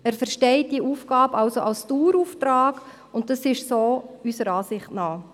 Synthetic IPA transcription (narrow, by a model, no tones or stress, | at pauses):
æːɾfəɾʃtɛɪt̚d̥iəʔuːfɡ̥ɑːbɑlsoʔɑlstuːɾuːftɾɑːɡ | ʊnt̚dɑsɪʃsoːysəɾɑːsɪχtnɑː